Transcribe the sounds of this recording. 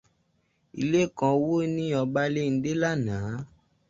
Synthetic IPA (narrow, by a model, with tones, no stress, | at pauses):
i˧le˦˨kã˧wo˦nĩ˦ɔ˧ba˦le˦n̩˦de˦la˦˨nãː˨˦